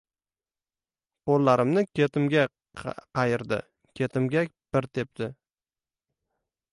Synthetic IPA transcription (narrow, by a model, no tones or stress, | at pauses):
pʰolˠːaɾɪmnɪkʲʰe̞t̪ʰɪmɡʲa | qʰɑjɪɾd̪ɪ̰ | kʲʰe̞t̪ʰɪmɡʲab̥ɪɾt̪ʰe̞p̚t̪ɪ